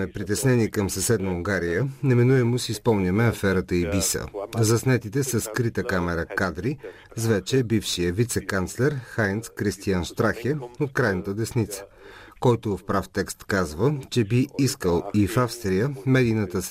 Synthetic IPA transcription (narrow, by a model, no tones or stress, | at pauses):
ɛpɾit̪ɛsnɛniɛkəmsɐsɛd̪nəuŋɡaɾijənɛminuɛmʊsiːspɔmnʲəmɛɐfɛɾət̪əibisə̰zɐsnɛt̪it̪ɛsəskɾit̪əkamɛɾəkad̪ɾi | zvɛt͡ʃɛbifʃijəvit̪sɛkant̪slɛɾxajnt̪skɾist̪ianʃt̪ɾaxɛot̪̚kɾajnət̪əd̪ɛsnit̪sə̥ | kɔjt̪ʊfpɾaft̪ɛkst̪kazvət͡ʃɛbiiskəlˠifafst̪ɾijəmɛd̪ijnət̪əs